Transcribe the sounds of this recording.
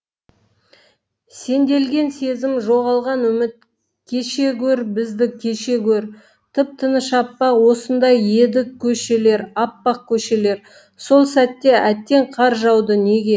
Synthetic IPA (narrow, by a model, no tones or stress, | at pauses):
se̞nd̪e̞lɡʲe̞nse̞zɪmʒo̞ʁɑlˠʁɑnʏmɪt̪̚ | kʲʰe̞ʃe̞kʲʰɵɾbɪzd̪ɪkʲʰːe̞ʃe̞kʲʰɵɾ | t̪ʰɪp̚t̪ʰənəʃɑpːɑwo̞sənd̪ɑje̞d̪ɪkʲʰːɵʃe̞le̞ɾɑpːɑq̚kʲʰɵʃe̞le̞ɾ | so̞lˠsæt̪ːe̞ʔæt̪ːe̞ɴqʰɑɾʒɑwd̪əne̞ɡʲe̞